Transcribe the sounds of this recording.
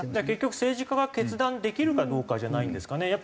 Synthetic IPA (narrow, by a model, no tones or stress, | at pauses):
dake̞kʲːo̞kɯ̟̥se̞ːʑikaɡake̞t͡sɨd̪ãnd̪e̞kʲiɾɯ̟kad̪o̞ːkaʑanaĩnd̪e̞sɨ̥kanejapː